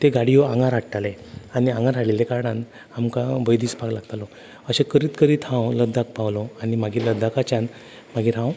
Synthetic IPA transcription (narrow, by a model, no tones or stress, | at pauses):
t̪eɡaɽijoaŋɡãɾaʈʈale | aniãŋɡaɾɦalelekaɾɽãn | amkabəjd̪iːsbaɡlaɡt̪alɔ | əɕekəɾiːt̪kəɾiːt̪hãwləd̪ʱak̚pawlɔanimaɡiːləd̪ʱːakat͡ɕan | m̤aɡiːɾɦãw